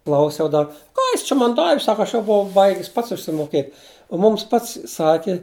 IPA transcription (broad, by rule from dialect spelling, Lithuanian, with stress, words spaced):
ˈklˠɐʊsʲɛʊ ˈdɐr ˈkɑː jɪs t͡ʃʲɛ mɐn ˈdɑːʋʲɪ ˈsɑːkɐ ˈɐʃ jɛʊ bʊˈʋɐʊ ˈbɐɪɡʲɪs ˈpɐts ɪʃʲsʲɪmoːˈkʲeːtʲ oː ˈmʊms ˈpɐts ˈsɑːkʲɪ